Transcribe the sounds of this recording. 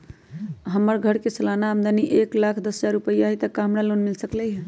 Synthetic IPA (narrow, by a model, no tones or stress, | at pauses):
ɦəmːəɾɡʱəɽkesəlanamd̪ʱaniʔeklakʰd̪əsd͡ʒaɾupəjaɦɛt̪əkamɽalonmilsəkləɦɛ̃